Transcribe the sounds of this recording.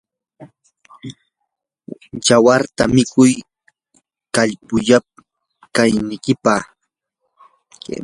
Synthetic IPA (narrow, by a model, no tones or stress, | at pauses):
jawaɾt̪amɪkʊj | kaʎpʊʎap̚ | kajnɪkɪpa